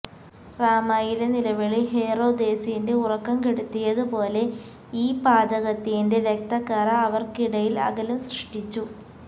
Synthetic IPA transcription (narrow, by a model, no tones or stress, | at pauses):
raːmaːjilɐnilɐʋiɭiɦeːro̞ːd̪e̞ːsijindeurɐkːɐmkeɽut̪ːijɐðupo̞ːle̞ | iːpaːd̪ɐɣɐt̪ːijinde̞ɾek̚t̪ɐkːaːɾɐːʋɐrkiɽɐjilɐ̰ɣɐlɐmsrɨʂʈit͡ɕːu